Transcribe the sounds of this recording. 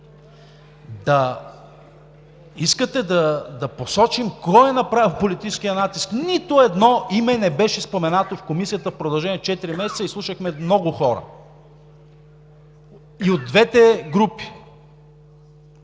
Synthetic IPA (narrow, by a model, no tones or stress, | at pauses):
d̪ɐ | iskət̪ɛd̪ɐd̪ɐposɔt͡ʃimkɔjɛnɐpɾavilˠpolit̪it͡ʃɛsk̟iənat̪isknit̪oɛd̪nɔʔimɛnɛbɛʃɛspomɛnat̪ofkomisijət̪əfpɾod̪ɐlˠʒɛnʲiɛt͡ʃɛt̪iɾimɛsɛt̪səislˠuʃəxmɛmnɔɡʊxɔɾə̰ | iod̪̚ːvɛt̪ɛɡɾupi̥